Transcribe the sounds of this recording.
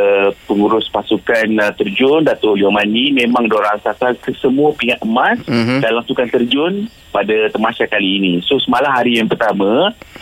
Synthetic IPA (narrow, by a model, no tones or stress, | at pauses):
pəŋuɾʊspasukant̪ərd͡ʒʊndat̪ʊʔliɔmanimẽmãŋdoɾaŋsat̪alkəsəmuəpiŋat̪əmasdalaŋsukant̪ərd͡ʒʊn | padat̪əmaʃakaliːnisosəmalamɦaɾijaŋpərt̪amã